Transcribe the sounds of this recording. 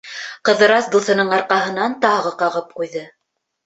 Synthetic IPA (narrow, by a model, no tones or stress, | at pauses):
qɤ̆ðɤ̆ɾɑsd̪uθɤ̆nɤɴɑɾqɑɦɤ̆nɑnt̪ɑʁɤqɑʁɤp̚qujðɤ